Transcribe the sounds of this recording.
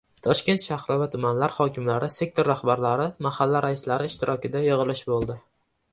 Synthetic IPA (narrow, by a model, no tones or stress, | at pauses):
t̪ʰɒʃkʲe̞nt̪ʃahɾɒvat̪ʰʊmanlaɾhɒkʲʰɪmlaɾɪse̞k̚t̪ʰoɾːahbaɾlaɾɪmahalːaɾaɪslaɾɪːʃt̪ʰɪɾʔɒkʲɪd̪ajɨʁɨlˠɪʃbolˠd̪ɪ